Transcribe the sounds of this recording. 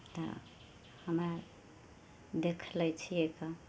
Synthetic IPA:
t̪ɔ̰ | həmə | d̪ekʰlət͡ʃʰieka

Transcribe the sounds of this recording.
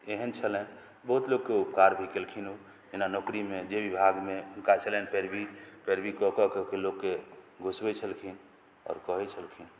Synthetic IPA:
eɦənt͡ʃʰəlɛn | bəɦut̪loɡ̚keupkaɾbʱikelkʰinu | enanɔkɾimed͡ʒebibʱaɡmekat͡ʃʰəlɛnpeɾbipeɾbikɔkɔkekeloɡke | ɡʱosbet͡ʃʰəlkʰin | ɔ̰ːɾkɔɦɛt͡ʃʰəlkʰin

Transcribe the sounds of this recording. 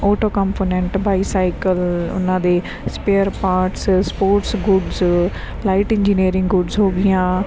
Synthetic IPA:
oːʈoːkɔ̃ːmpoːnɛ̃ɳʈbaːisaːɪkəlʊ̰nãːd̪eː | speːəɾpaːɾʈsspoːɾʈsɡʊɖz | laːɪʈɪ̃ɲd͡ʒiniːɾɪ̃ŋɡɡʊɖzɦoːɡɪjãː

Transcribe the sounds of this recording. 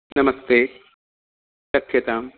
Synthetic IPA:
nɐmɐst̪eː | ʃɐkʰjɐt̪aːm

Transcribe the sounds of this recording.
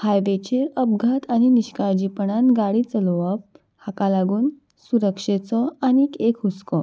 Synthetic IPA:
hajʋet͡ɕeɾəb̚ɡʱat̪añiniɕkaɾd͡ʑipəɳanɡaɽiːt͡səlɔʋəp̚ | hakalaɡuːn | suɾəkʂet͡sɔanikekɦuskɔ

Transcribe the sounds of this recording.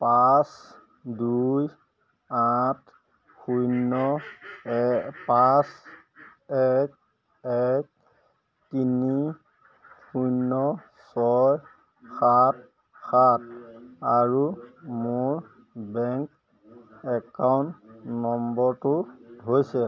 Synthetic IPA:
pas | duj | atʰ | xujnɔ | pas | ɛk̚ | ɛk | tini | xujnɔ | sɔj | xat̚ | xat̚ʰaɹumʊɹ | bɛŋk | ɛkawntnɔmbɔɹtuɦojsɛ

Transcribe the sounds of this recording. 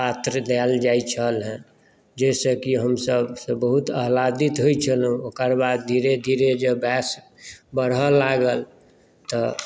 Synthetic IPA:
pat̪ɾd̪eld͡ʒajt͡ʃʰəlɦɛ̃ | d͡ʒɛsəkiɦəmsəbsebəɦut̪əɦlad̪it̪ɦojt͡ʃʰəlɦũokəɾbad̪̚d̪ʱiɾed̪ʱiɾed͡ʒəbɛs | bəɾɦəlaɡəl | t̪ɔ

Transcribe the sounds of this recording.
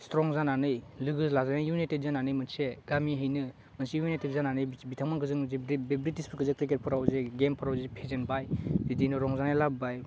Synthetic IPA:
stɾɔŋzananɯjlɯɡɯzlazanɯjunitet̚zananɯjmɯnseɡamiɦɯjnɯ | mɯnsijuniteb̚zananɯjbitʰaŋmaŋkɯzɯŋzbebɾitispʰukɯzɯkɾiket̚pʰɔɾawzeɡempʰɔɾawzepʰezenbajditinɯɾɔŋzanajlabbaj

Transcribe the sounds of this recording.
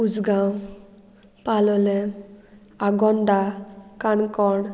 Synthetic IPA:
ud͡zɡaw | palɔlɛ | aɡɔnd̪akaɳkɔɽ

